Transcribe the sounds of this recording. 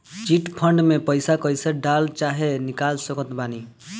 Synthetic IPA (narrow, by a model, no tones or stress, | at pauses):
t͡ʃiʈpʰəɳɖmepəjsakəjsaɖalt͡ʃaɦenikalsəkət̪bani